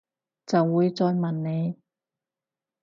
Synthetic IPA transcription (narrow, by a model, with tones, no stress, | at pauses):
t͡sɐ˨wːuː˨˧jt͡sɔː˧jmɐ˨˩nne˨˧j